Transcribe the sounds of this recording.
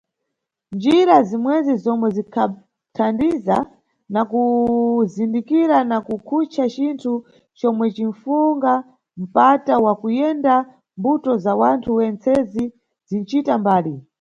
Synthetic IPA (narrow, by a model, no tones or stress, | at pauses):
nd͡ʒiɾazimwɛzizɔmwɛzikʰa | tʰandiza | nakuzindikiɾanakukʰut͡ʃʰat͡ʃintʰu | t͡ʃɔmwɛt͡ʃin̩fuŋɡa | m̩patawakujɛnda | mbutɔzawantʰuwɛnt͡sɛzi | zin̩t͡ʃitambaːli